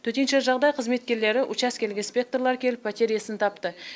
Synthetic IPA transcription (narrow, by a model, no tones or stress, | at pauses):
t̪ʰɵt̪e̞nʃe̞ʒɑʁd̪ɑjqʰəzme̞t̪̚kʲe̞ɾle̞ɾɪʔʊt͡ʃɑskʲʰe̞lɡʲenspʲe̞k̚t̪orlˠɑɾkʲʰe̞lɪpːɑt̪ʲe̞ɾijasɪnt̪ʰɑpt̪ə